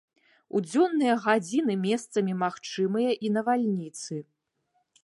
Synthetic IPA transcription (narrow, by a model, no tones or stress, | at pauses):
ṵd͡zʲɔnːɨjɐɣad͡zʲinɨmʲɛst̪sɐmʲimaxt͡ʂɨmɨjɐʔinɐvalʲnʲit̪sɨ